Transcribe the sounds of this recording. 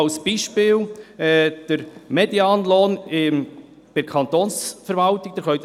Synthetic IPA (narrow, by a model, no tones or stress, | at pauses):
sb̥iʃpɪːlɛd̥əɾmɛdjɑːnloːnɪm | b̥ɪkʰɑnt̪oːnsfəɾvɑlt̪ɪɡ̥̚d̥əɾχœʏt